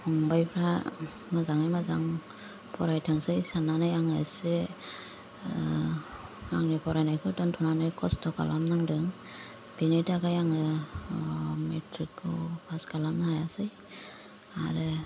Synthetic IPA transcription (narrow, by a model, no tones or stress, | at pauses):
ɔŋbajpʰɾa | mazaŋajmazaŋ | pʰɔɾajtʰaŋsɯjsananɯjaŋɯse | aŋnipʰɔɾajnajkʰɯdɔntʰɔnanɯjkʰɔstʰɔka̰lamnaŋdɯŋ | b̥inetaɡajaŋɯ | metʰɾikːɔpʰaskalamnahajasɯj | a̰ɾɯ